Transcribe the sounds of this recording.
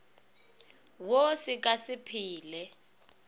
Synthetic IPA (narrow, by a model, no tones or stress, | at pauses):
wosik̬ʼasipʰiːlɛ